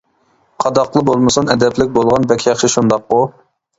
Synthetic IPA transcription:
qʰɑd̪ɑqlˠɨbolˠmɨsɨnɛd̪ɛplɪk̚ʲbolˠʁɑnbɛkʲʰjɑχʃɪʃund̪ɑqːʊ

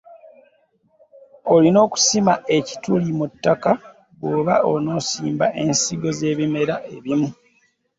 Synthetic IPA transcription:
o̞lino̞ːku̥simaʔe̞ci̥tulimutːaka | βwoːβao̞no̞ːsiːmbaʔe̞nsiɡo̞ze̞ːβime̞ɾaʔe̞βimu

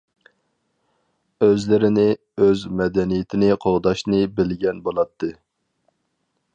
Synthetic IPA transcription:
øzlɪɾɪnɪ | øzmɛd̪ɛnijɪt̪ʰɪnɪqʰoʁd̪ɑʃnɨbɪlɡʲɛnbolˠɑt̪ʰːɨ

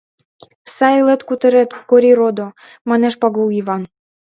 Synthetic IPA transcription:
sɑelet̪kut̪ə̆ɾet̪koɾiɾod̪o | mɑneʃpɑɣowiβɑn

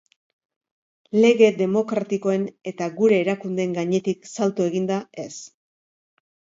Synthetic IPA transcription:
le̞ɣe̞d̪e̞mo̞kɾat̪iko̞e̞ne̞t̪aɣuɾe̞ːɾakund̪e̞ŋɡaɲe̞t̪iksalt̪oeɣind̪ae̞s

